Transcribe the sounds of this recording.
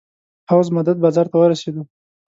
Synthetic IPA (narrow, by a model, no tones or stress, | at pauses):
pawzmad̪ad̪̚bɑzɑɾt̪awəɾased̪u